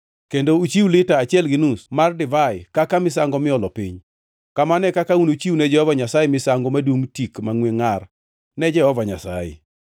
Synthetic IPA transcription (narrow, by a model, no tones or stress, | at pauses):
kendout͡ʃiwlɪtaːt͡ʃɪɛlɡɪnusmardɪvaɪkakamɪsaŋɡɔmɪɔlɔpiɲ | kamanɛkakaunot͡ʃiwnɛd͡ʒɛhɔvaɲasajɛmɪsaŋɡomadwuŋtikmaŋweŋar | nɛd͡ʒɛhɔvaɲasa̰jɪ̰